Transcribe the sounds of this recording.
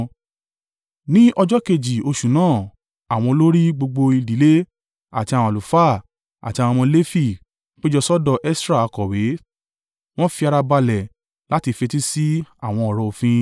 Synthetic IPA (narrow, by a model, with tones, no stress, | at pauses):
nĩ˦ʔɔ˧d͡ʒɔ˦ke˧d͡ʒi˨o˧ʃu˨nãː˦˨ | a˨w̃ɔ̃˧o˧lo˦ɾi˦ɡ͡bo˧ɡ͡bo˧i˧di˨˦le˦ | a̰˨ti˧a˨w̃ɔ̃˨lu˨fa˦˨ | a̰˨ti˧a˨wɔ̃˧mɔ̃˧le˦fi˦˨ | k͡pe˦d͡ʒɔ˧sɔ˦dɔ˧ʔɛ˦sɾa˦˧kɔ˨we˨˦ | w̃ɔ̃˦fi˧a˧ɾa˧ba˧lɛ˨ | la˦ti˧fe˧ti˦si˦a˦˨w̃ɔ̃˧ɔ˨ɾɔ̃˧o˧fĩ˧